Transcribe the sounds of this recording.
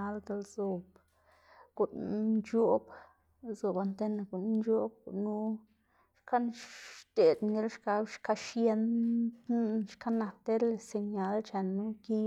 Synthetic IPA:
a˧ld̪e˧lzu˨b | ɡ̥u˨nnt͡ʃo˦b | zu˨ba˧nt̪e˦na˧˨ɡu˨nu˦nd͡ʒo˦b̚ɡṵ˨nu˦ | ʃka˦nt̪e˨d̪mɡi˦lʃka˧bʃka˧˦ʃje˦n˦ | ʃka˦na˨kt̪e˦le˨se˧ɲa˧lt͡ʃa˨nːu˦ki˦

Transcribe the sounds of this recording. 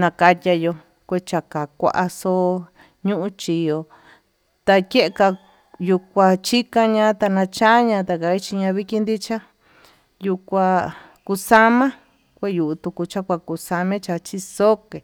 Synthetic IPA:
nã˧ka˧tʲa˧jo˧ | kʷe˧t͡ʃa˨ka˨kʷa̰˧ʔa˧so˦˧˦ | ɲũ˦ʔũ˧˦t͡ʃi˧jo˧ | t̪a˧ke˦ʔe˧ka˧ | ju˧kʷa˧t͡ʃi˦kã˧ɲã˧˦t̪a˧nã˧t͡ʃa˦ɲã˧t̪a˧ka˧i˦t͡ʃi˧ɲã˧βi˦ki˦nd̪i˦t͡ʃa˦ | ju˧kʷa˧ | ku˧sa˦mã˦ | kʷe˦˧ju˨ʔt̪u˧ku˧t͡ʃa˦kʷa˧ku˧sa˧mẽ˦t͡ʃa˧t͡ʃi˧so˦ke˨

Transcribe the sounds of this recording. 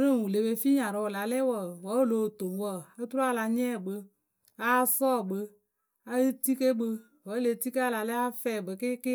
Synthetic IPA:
ɾə˦˨wu˨le˨be˧fi˦ɲã˨ɾɔ˨wla˨lɛ˦wɔ˨wɔ˨˦˨lo˨˦˨to˨m˦wɔ˦˨a˦tu˦ɾa˦˨la˧ɲɛ˦˨ɡ͡bə˧ | a˨˦sɔː˦˨ɡ͡bə˧ | a˨˦ə˦ti˦ke˦ɡ͡bə˧ | wɔ˨˦le˨˧˨ti˦ke˦a˦˨la˨lɛ˦a˦fɛ˨bə˨kɪ˦kɪ˦

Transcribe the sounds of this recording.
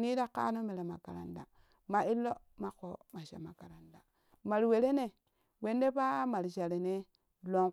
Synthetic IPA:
ni˦da˦ka̰˦no˦me˨ɾe˨ma˨ka˨ɾa̰˨nda̰˨ | ma˨i˦lːo˦ | ma˨ko˦ma˨ʃa̰˨ma˨ka˨ɾa˨nda˨ | ma˨ɾwe˨ɾe˦ne˨ | we˦nde˦pa˦ma˨ɾʃa˨ɾe˨ne˦ | lo˦

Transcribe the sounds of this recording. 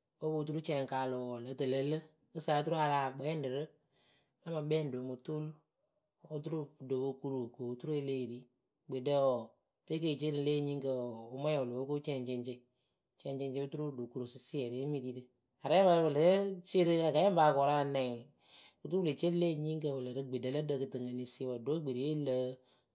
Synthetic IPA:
o˦bo˨˦t̬u˦ɾu˦t͡ʃɛ˧˨ŋkaː˨lo˨lə˨˦tə˨le˨lə˦ | ɨ˦sa˨˦˧tu˦ɾu˦a˧laː˨ɡ͡bɛ˨˦ɛ˦n˦dɨ˨ɾɨ˦ | a˦ma˨ɓɛ˦n˨do˨mo˨to˦l | o˦tu˦ɾu˦˨do˨ko˦˧ku˦ɾu˨ko˨˦tu˦ɾe˦le˦˨ɾi˦ | ɡ͡be˨də˦ɔ˨ | fe˦k̬e˦˨t͡ʃe˦ɾɨ˧˨le˦ɲi˦ŋkə˧˨o˦mɛ˦˨o˨lo˨o˦ko˦t͡ʃɛ˧˨nt͡ʃe˧nt͡ʃe˧ | t͡ʃɛ˦nt͡ʃe˦nt͡ʃe˦u˦tu˦ɾo˦˨do˨ku˦ɾo˨sɨ˦si˦ɛ˨ɾe˨˦mi˦ɾi˦ɾɨ˦ | a˨ɾɛ˦ba˨˦bɨ˨lə˨˦t͡ʃe˦ɾɨ˦a˨ɡa˨jɛ˦m˦ba˨kɔ˨ɾa˦˨nɛ˨ŋ˨ | ku˦tu˦le˨t͡ʃe˦le˦˨ɲi˦ŋkə˨wə˨lɨ˨ɾɨ˦ɡ͡be˨də˨lə˦də˦˧kɨ˨tɨ˨ŋə˨ni˨se˦wa˨do˦ɡ͡be˨ɾi˨e˦lə˦

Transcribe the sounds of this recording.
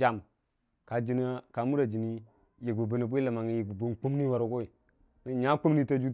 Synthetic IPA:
a˨m | ka˨d͡ʒi˦nə˦ka˨mu˦ɾa˨d͡ʒi˨ni˦ | ji˨k̚bu˨bu˦nə˨b̬u˦i˦la˨ma˨ŋi˨˦ji˨bu˨bu˦nk͡pu˦m˦ni˦wa˨ɾo˨ko˦i˨ | nə˨ɲa˦k͡pu˦mni˦ta˦d͡ʒu˦

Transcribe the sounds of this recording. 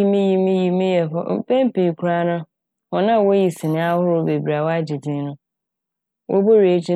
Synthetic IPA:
i˦mĩ˦ji˦mĩ˦ji˨mĩ˦jɛ˨ɦʊ˦˨pɛ̃˦m˦pĩ˨kʰʊ˦ɾa˦nʊ̃˦ | ɔ˨nã˦˨wo˦ji˨si˨nɪ̃˦a˦hʊ˦ɾʊ˦be˨bi˨ɾa˨wa˦d͡ʑi˨dɪ̃˨˦nʊ̃˦ | wʔo̰˦bo˦ɾe˨e˨˦t͡ɕʰi˦

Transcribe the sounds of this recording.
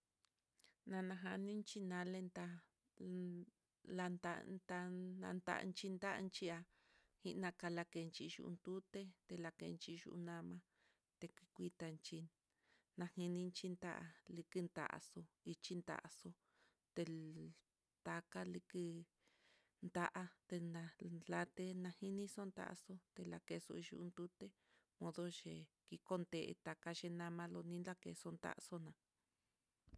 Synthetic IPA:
nã˧nã˧ɦa˧nĩ˦nt͡ʃi˦nã˧le˧nt̪a˧ | la˧nt̪a̰˧nt̪a˧nã̰˧nd̪a̰˦˧ʔnt͡ʃi˧nd̪a˦ʔa̰˧nt͡ʃi˦a˧ | hi˦ʔnã˧ka˧la˧ke˨˧nt͡ʃi˧ʒṵ˧ʔṵ˧nt̪u˦t̪e˦t̪e˧la˧kḛ˧nt͡ʃi˧ʒṵ˧ʔu˧nã˧mã˧ | t̪e˧kʷi˧kʷi˧t̪a˧nt͡ʃi˧ | nã˧hĩ˧nĩ˧nt͡ʃi˦nt̪a̰˦ʔa˧li˧kɨ˦nd̪a̰˧ʔa̰˧so˧i˧t͡ʃi˦nd̪a̰˧˨ʔa̰˧so˧ | t̪e˧ | t̪a˧ka˦li˧kɨ˧ | nd̪a˦ʔa˧t̪e˧nã˧la˧t̪e˧nã˧hi˦nĩ˦so˦nd̪a̰˦ʔso˦t̪e˧la˧ke˧so̰˧i˧ʒṵ˧u˧nd̪u˦t̪e˦ | mõ˧ðo˦ʃe˧ki˧ko˦nd̪e˧ʔḛ˧t̪a˨ka˧ʃe˧nã˧mã˧lo˧nĩ˦nla˦kḛ˧so˧nd̪a̰˦ʔso˦nã˨

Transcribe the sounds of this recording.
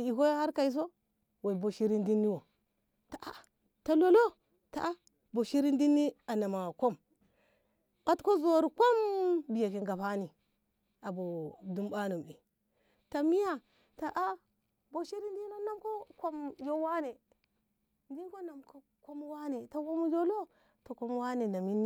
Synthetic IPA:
i˨ko˦ja˦ha˦ɾka˨i˦s̬o˦ | wa˨i˨bo˨ʃi˦ɾi˦ndi˦nːi˦wo˨ | ta˨ʔa˨ | ta˨lo˦lo˦ | ta˨ʔa˦ | bo˨ʃi˦ɾi˦ndi˦nːi˦a˨na˨ma˨ko˦m | ɓa˦tko˦zo˨ɾko˦mbi˨ja˨ki˨ŋɡa˨pa˦ni˨ | a˨bo˨du˦mba˦nu˨mɗi˨ | ta˨mi˦ja˦ | ta˨ʔa˦ | bo˨ʃi˦ɾi˦ndi˦no˦na˦mko˦kʷo˦mjo˦wa˦ne˨ | ndi˦n˦ko˦na˨mko˦ | ko˦m˦wa˦ne˨ta˨wo˦m˦d͡ʒo˦lo˦ | ta˨kʷo˦m˦wa˦ne˨na˨mi˦nːi˦

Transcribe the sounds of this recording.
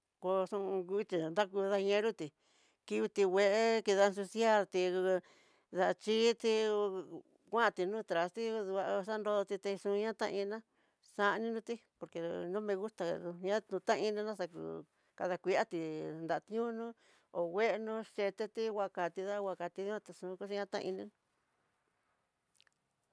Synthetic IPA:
ko˧sũ˧u˧˦˧t͡ʃi˧nd̪a˦ku˧ða˧ɲẽ˧˦ɾu˦t̪i˨ | ki˧βi˧t̪i˧wʷe˧ʔe˦ki˧ða˧a˧s̬u˧sja˦t̪i˧ | ða˧t͡ʃi˦t̪i˧ | kʷã˦˧t̪i˧nũː˦t̪ɾa˨st̪i˦˧ðu˧a˧sa˦nd̪o˧ðo˧t̪i˧t̪ẽ˧ʂũ˧ɲã˦t̪ã̰˦ʔĩ˧nã˦ | sa˧ʔnĩ˦nũ˧t̪i˦po˧ɾke˧nũ˦mẽ˧ɣu˦t̪a˧u˧ɲã˦ũ˧t̪ã˦ʔi˧nĩ˧nã˦sa˧kṵ˧ | ka˧ða˧kʷi˧a˦t̪i˧nd̪a˧ʔt̪ɲũ˦nũ˦ | o˨we˦ʔe˧nũ˧˦ʃe˧t̪e˦˧t̪i˦wʷa˧ka˨t̪i˧ða˦wa˧ka˧t̪i˧ði˦ã˧t̪a˧ʂũ˧ku˦ʃi˧ɲã˦t̪ã̰˦˧ḭ˧nĩ˧nũ˧

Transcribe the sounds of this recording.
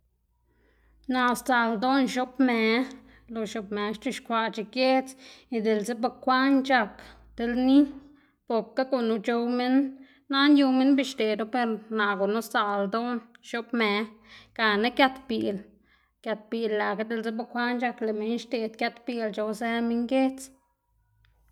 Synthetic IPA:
na˨st͡sa˨ld̪o˦nʃo˦pme˨ | lo˧ʃo˧pme˨ʃt͡ʃi˧ʃkʷa˧˨t͡ʃi˨kje˦t͡si˧d̪e˨lze˦ba˧kʷa˦nt͡ʃa˧k | d̪̥e˧lni˦ | po˨kːa˦ko˧nu˧t͡ʃo˧wme˦nː | a˦nju˧me˦nbi˧ʃt̪e˨d̪o˦pe˧ɾna˨ɡo˨nu˦sa˨ld̪o˦nʃo˧pme˨ka˨na˦kja˧t̪bi˧˨l | kja˧t̪̚bi˧˨lːa˨ka˦d̪e˧lze˦ba˧kʷa˦nt͡ʃa˧kle˨me˨˦nʃt̪e˨d̪̚kʲja˧t̪bi˧lt͡ʃo˧wse˧me˧ŋɡe˦t͡s

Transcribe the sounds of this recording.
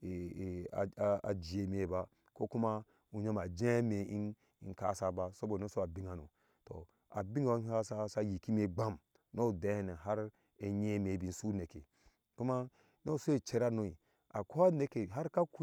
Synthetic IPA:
ḛ˨ | a˨d͡ʒi˨e˨me˨ba˦ | ko˦ku˦ma˦ | u˨ɲo˦ma˨d͡ʒe˦me˨i˦ | i˨nka̰˦˨sa˦ba˦so˦bo˨no˦so˦a˨bi˦ŋa˨no̰˨ | to̰˨ | a̰˨bi˦ŋo˨˦a˦sa˦sa˦ji˨ki˦me˨ɡ͡ba˦m | no˦˨de˨˦e˦ne˨ɦa˦ɾ | e˦ɲe˦me˨bi˨n̩˦su˦ne˨kḛ˨ | ku˦ma˦ | no˦˨so˦e˨t͡ʃe˦ɾa˦no˦i˨ | a̰˨ko˦a˦ne˨ke˨ɦa˦ɾka˦ku˦

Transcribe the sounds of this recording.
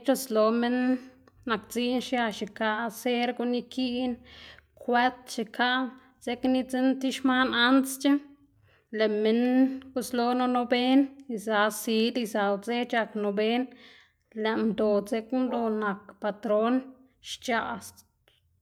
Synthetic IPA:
t͡ʃo˦slo˧me˦nː | a˨kt͡si˦nʃja˧ʃi˨ka˧ʔse˦ɾɡu˧ni˧kʰi˦nkwe˦t̪ʃi˧kʰa˦ʔ | ze˦kni˦t͡si˦nt̪i˦ʃma˦na˦nst͡ʃa˦ | le˨me˧nɡu˦slo˦no˧no˧be˦ni˧za˨˧si˧˦li˧za˨˧wd͡ze˦t͡ʃa˧kno˧be˦n | le˨ʔmd̪o˨ze˧kmd̪o˧na˨kpa˨t̪ɾo˦n | ʃt͡ʃa˨s

